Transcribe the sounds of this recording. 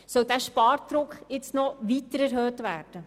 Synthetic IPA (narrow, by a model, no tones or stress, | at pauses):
sœldæːʃpɑːɾdɾʊkχɪt͡stnɔʋiːtəɾæɾɦøːtʋæːɾd̥ə